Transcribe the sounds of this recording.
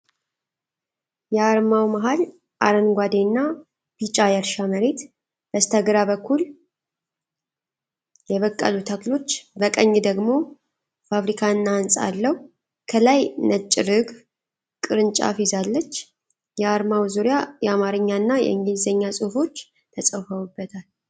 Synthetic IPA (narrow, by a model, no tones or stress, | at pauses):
jɛaɾmawmaɦal | ʔaɾənɡʷad̪enːa | b̥it͡ʃʼajɛɾʃaməɾe̞t̪ | b̥əst̪ʰəɡɾaβəkʰːul | jɛβəkʼːə̰lut̪ʰaklo̞t͡ʃːbəkʼəɲːd̪əɡmo̞ | fafɾikʰanːansʼa̰lːəhu | kʰəlajnət͡ʃʼːiɾɨɡ | kʼɨɾɨnt͡ʃʼa̰fizalːət͡ʃː | jɛaɾmawzuɾɪjajɛamaɾɨɲːanːajɛ̰ɨŋɡlzəɲːasʼuhfo̞t͡ʃː | t̪ʰəsʼəwfəwubːət̪ʰal